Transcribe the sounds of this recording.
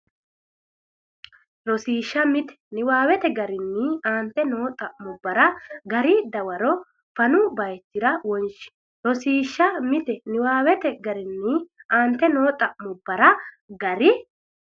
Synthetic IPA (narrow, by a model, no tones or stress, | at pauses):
lɔsiːʃːɐmɪt̪ɛ̥nɪwaːwɛt̪ɛɡɐɾɪnːɪaːnt̪ːɛno̞ːt̪ʼɐʔmʊbːɐɾɐɡɐɾɪd̪ɐwɐɾɔ | fɐnʊbɐjt̪ːɪɾɐwɔnt͡ʃɪ̥ | lɔsiːʃːɐmɪt̪ɛnɪwaːwɛt̪ɛɡɐɾɪnːɪʔaːnt̪ːɛnoːt̪ʼɐʔmʊbːɐɾɐ | ɡɐɾɪ